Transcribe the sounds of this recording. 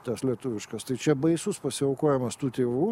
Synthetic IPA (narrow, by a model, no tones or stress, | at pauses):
t̪ɐslʲiɛt̪ʊʋʲɪʃkɐst̪ɐɪt͡ʃʲɛbɐɪsʊspɐsʲɪoːkoːjɛmɐst̪uːt̪ʲeːʋuː